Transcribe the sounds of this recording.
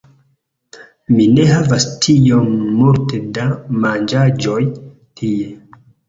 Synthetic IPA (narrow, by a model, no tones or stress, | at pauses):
mine̞ɦavastʰio̞mmultedamand͡ʒad͡ʒo̞j | tʰie̞